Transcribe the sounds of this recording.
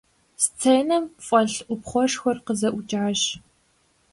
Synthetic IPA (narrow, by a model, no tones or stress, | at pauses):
st͡sʰejnɐmfʼɐɬʔʷʊpχʷɔʂxʷɔrqəzɐʔʷʊt͡ʃʼʕaɕ